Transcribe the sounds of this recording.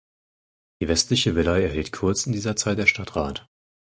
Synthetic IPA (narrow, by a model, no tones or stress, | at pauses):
d̥iːvɛstlɪçəvɪlaɪɛɐɦɛltkʰʊɐt͡sɪndiːzɐt͡saɪt̚d̥eːɐʃtatʁ̥aːt